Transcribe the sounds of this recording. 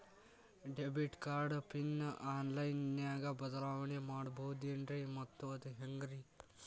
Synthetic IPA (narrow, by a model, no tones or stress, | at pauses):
ɖebiʈkaːɾɖpinːʔaːnlajnːjaːɡabəd̪laːʋɳemaɽbʱɐwd̪jɐɳɖɾimɐt̪ːʋɐt̪ɦɐŋɡɾi